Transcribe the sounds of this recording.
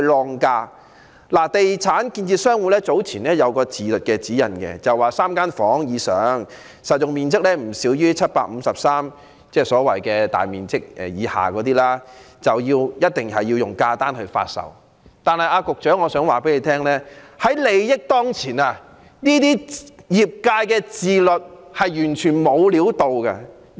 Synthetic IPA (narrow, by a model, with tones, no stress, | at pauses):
lɔː˧ŋkaː˧ | laː˨˩t̪e˨jt͡sʰaː˨˥nkiː˧nt͡siː˧sœː˥ŋwuː˨˩lɛː˥t͡so˨˥wt͡sʰiː˨˩nlɛː˥jɐ˨˧wkɔː˧t͡siː˨lɵ˨t̚kɛː˧t͡siː˨˥jɐ̰˨˩nkɛ̰˧t͡sɐ˨waː˨saː˥mkaː˥nfɔː˨˥ŋjiː˨˧sœː˨˥ŋ | sɐ˨t̚jʊ˨ŋmiː˨nt͡sɪ˥k̚lɛː˥m̩˨˩si˨˥wjyː˥t͡sʰɐ˥t̚paː˧k̚m̩˨˧sɐ˨p̚saː˥m | t͡sɛː˥˩sɔː˨˥wɐ˨jkɛː˧t̪a̰ː˨˩jmiː˨nt͡sɪ˥k̚ʔɛ̰˨jiː˨˧ha̰ː˨˩kɔː˨˧˥t̪iː˥laː˥ | t͡sɐ˨˩wjiː˧wjɐ˥t̚t̪ɪ˨˩ŋhɐ˨jːi˧wjʊ˨˩ŋkaː˧t̪aː˥nhɵ˧ɥfa̰ː˧t̚sɐ̰˨w | t̪aː˨nhɐ˨˩jaː˧kʊ˨k̚t͡ʃœː˨˥ŋɔ˨˧sœː˨˥ŋwaː˨˩pe˨˥jle˨˧t̪ʰɛː˥ŋlɛː˥hɐ˨˥jle˨˧jjɪ˥k̚t̪ɔː˥ŋt͡sʰiː˨˩naː˧ | niː˥t̪iː˥jiː˨˩p̚kaː˧jkɛː˧t͡siː˨lɵ˨t̚hɐ˨jjyː˨˩nt͡ʃʰyː˨˩nmo˨˧wliː˨˥wt̪o˨˧wkɐ˧